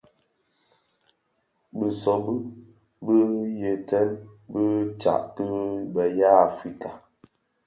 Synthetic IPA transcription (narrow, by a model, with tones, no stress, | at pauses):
bə˨sɔ˨bə˦ | bə˦je˨tɛ˦nbə˦t͡ʃa̰˨ʔkə˦bə˨ja˦˨fi˦ka˨